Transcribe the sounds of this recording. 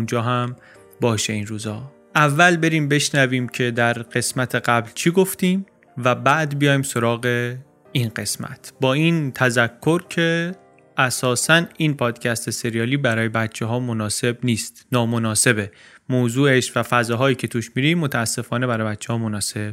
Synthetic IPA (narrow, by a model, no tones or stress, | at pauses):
und͡ʒɒːɦæm | bɒːʃeinɾuːzɒː | ʔævːælbe̞ɾiːmbe̞ʃnæviːmcʰe̞d̪æɾɢ̥e̞smæt̪ʰe̞ɢæblt͡ʃʰiɡo̞ft̪iːm | væbæʔd̪bijɒːjimso̞ɾɒːɣe̞ | inɢe̞smæ̰t̪ʰbɒːiːnt̪ʰæzækʰːo̞ɾcʰe̞ | ʔæsɒːsæniːnpʰɒːd̪̥cʰæst̪ʰese̞ɾijɒːliːbæɾɒːje̞bæt̪t͡ʃʰːeɦɒːmonɒːse̞bniːst̪nɒːmonɒːse̞be | moːzuːeʃvæfæzɒːɦɒːjiːcʰe̞t̪ʰuʃmiɾimːot̪ʰæːsːe̞fɒːne̞bæɾɒbæt̪t͡ʃʰːehɒːmonɒːse̞b̥